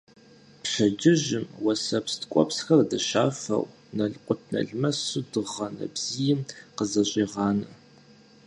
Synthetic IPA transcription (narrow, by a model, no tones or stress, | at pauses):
pɕɐd͡ʒɪʒɪmwɐsɐpstkʷʼɔ̰psxɐrdɨʃaːfɐ̰w | nɐɮqʷʼʊtʰnɐ̰ɮmɐsudɨʁɐnɐ̰bz̥ijɪmqəzɐɕʼiːʁɑːnɨ